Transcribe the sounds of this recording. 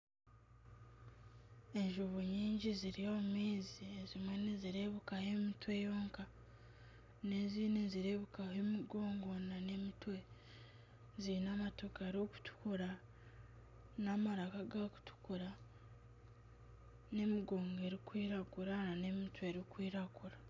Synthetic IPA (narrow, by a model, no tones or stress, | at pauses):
e̞ɲʒuβoɲiːɲɟiziɾijo̞mumiːziezimwe̞neziɾe̞βukahe̞mitwe̞joːŋka | ne̞ziːneziɾe̞βukaɦemiɡo̞ːŋɡo̞nane̞mitwe̞ | zinamatokaɾoku̥tu̥kuɾa | namaɾakaɡaku̥tu̥kuɾa | ne̞miɡoːŋɡe̞ɾikwiːɾaɡuɾanane̞mitwe̞ɾikwiːɾaɡuɾa